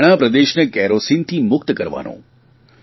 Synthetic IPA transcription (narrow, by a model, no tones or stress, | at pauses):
ɽ̃apɾəd̪eʃnəkɛɾosint̪ʰimʊk̚t̪kəɾʋa̰nõ̰